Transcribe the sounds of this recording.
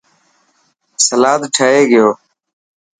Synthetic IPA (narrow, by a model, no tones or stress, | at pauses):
səlaːd̪ʈʰəɦeːɡɪjoː